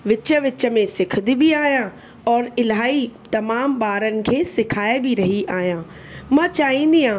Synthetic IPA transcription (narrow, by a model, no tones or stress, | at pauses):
ʋɪt͡ɕə̆ʋɪt͡ɕə̆mẽsɪkʰəd̪ibiaːɦjã | ɔːɾɪlɦaːɦit̪ɐmaːmɓaːɾənɪ̆kʰeːsɪkʰaːebʱiɾɐɦiʔaːɦijãː | mãːt͡ɕaːɦĩnd̪iãː